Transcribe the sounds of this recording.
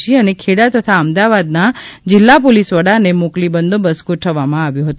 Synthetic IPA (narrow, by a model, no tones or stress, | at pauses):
iənekʰeɽat̪ət̪ʰaəmd̪aʋad̪nad͡ʒɪlːapolisʋəɽanemoklibənd̪ʱobəskoʈʰəʋamãaʋjũɦət̪u